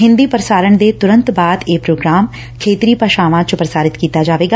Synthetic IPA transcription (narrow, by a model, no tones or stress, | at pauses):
ɦɪ̃nd̪iːpəɾəsaːɾəɳd̪eːt̪ʊɾə̃nt̪baːd̪eːpɾoːɡɾaːm | kʰeːt̪ɾiːpəʃaːʋãːt͡ʃpɾəsaːɾɪt̪kiːt̪aːd͡ʒaːʋeːɡaː